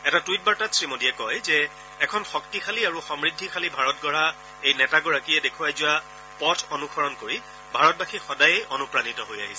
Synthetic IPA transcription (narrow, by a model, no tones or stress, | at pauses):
ɛtatuit̚baɹtatsɹimodiɛkɔjzɛː | kʰɔnxɔk̚tixʰaliaɹuxɔmɹidʱːixʰalibʱaɹɔt̚ɡɔɹa | ejnɛtaɡɔɹakiɛdekʰuajzʊwa | pɔtʰonuxʰɔɹɔnkoɹi | bʱaɹɔt̚baxixɔdajeʔɔnupɹanitɔɦoja̰ɦisɛ